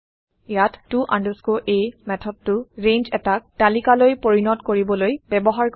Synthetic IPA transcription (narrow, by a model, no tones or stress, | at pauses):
jatːuʔãndəɹskoʔejmɛtʰɔd̚tʊɹẽnd͡ʒɛtak̚talikalojpoɹinɔtkoɹibɔlojbɛbɔɦaɹk